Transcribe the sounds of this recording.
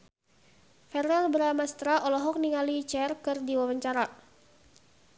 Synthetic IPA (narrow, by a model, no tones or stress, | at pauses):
fɛrarbəɾamast̪ɾaʔɔlɔɦɔk̚niŋalit͡ʃɛrkɨrdiwawaɲt͡ʃaɾa